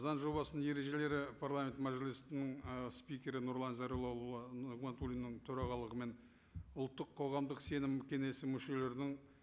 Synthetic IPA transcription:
zɑnʒo̞βɑsənəŋje̞ɾe̞ʒe̞le̞ɾɪpʰarlˠamʲe̞nt̪maʒilʲijst̪ɪnɪŋspijkʲe̞ɾɪnuɾlˠɑnzɑɾolˠolˠlˠɑɡmant̪ulʲinːɪŋt̪ʰɵɾɑʁɑlˠəʁəme̞n | ʊlˠt̪ːəqʰːo̞ʁɑmd̪əqse̞nɪmkʲʰe̞ne̞sɪmʏʃe̞le̞ɾd̪ɪŋ

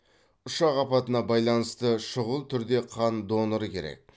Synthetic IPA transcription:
ʊʃɑqɑpɑt̪ənɑbɑjlˠɑnəst̪əʃʊʁəlˠt̪ʰʏɾd̪e̞qʰɑnd̪o̞nəɾəkʲʰe̞̰ɾe̞̰k̚

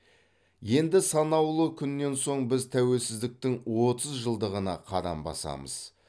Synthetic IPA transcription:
je̞nd̪ɪsɑnɑwlˠəkʲʰʏnːe̞nso̞ɴbɪzt̪ʰæwe̞lsɪzd̪ɪk̚t̪ɪŋwo̞t̪əzʒəlˠd̪əʁənɑqʰɑɾɑ̰mbɑ̰sɑ̰mə̰z̥

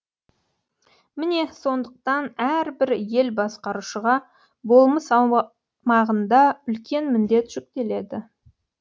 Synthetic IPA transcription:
mɪne̞so̞nd̪əq̚t̪ɑnæɾbɪɾje̞lbɑsqɑɾuʃəʁɑ | bo̞lˠməsɑ | mɑʁənd̪ɑʏlkʲe̞nmɪnd̪e̞t̪ʒ̥ʏk̚t̪e̞le̞d̪ɪ

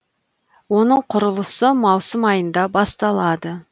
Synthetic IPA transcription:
wo̞nəɴqʰʊɾəlˠəsəmɑwsəmɑjənd̪ɑbɑst̪ɑlˠɑd̪ə

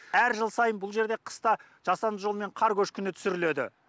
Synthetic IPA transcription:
æɾʒəlˠsɑjənbʊlˠʒe̞ɾd̪e̞qʰə̥st̪ɑ | ʒ̥ɑsɑnd̪əʒome̞ɴqʰɑɾkʲʰɵʃkʲʰʏnɪt̪ʰʏ̥sɪɾɪle̞d̪ɪ̰

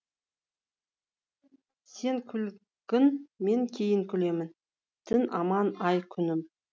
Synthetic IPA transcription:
se̞ŋkʲʰʏl | kɪnme̞ŋkʲʰe̞jɪŋkʲʰʏle̞mɪn | t̪ʰɪnɑmɑnɑjkʲʰʏnɪm

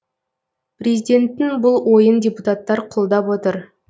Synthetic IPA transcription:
prʲezidʲe̞nt̪ːɪŋbʊlˠwo̞jəndʲeput̪at̪ːɑɾqʰʊlˠd̪ɑpwo̞t̪əɾ

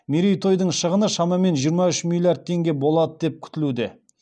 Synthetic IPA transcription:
meɾijt̪ʰo̞jd̪əɴʃəʁənəʃɑmɑme̞nʒijəɾmɑʏʃmʲilʲːˠjard̪̚t̪ʰe̞ŋɡʲe̞bo̞lˠɑd̪əd̪e̞p̚kʲʰʏ̥t̪ɪlud̪ɪ̰

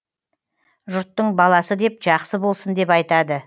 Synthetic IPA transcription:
ʒʊɾt̪ːəɴbɑlˠɑsəd̪e̞p̚ʒɑqsəbo̞lˠsənd̪e̞pɑjt̪ɑd̪ə

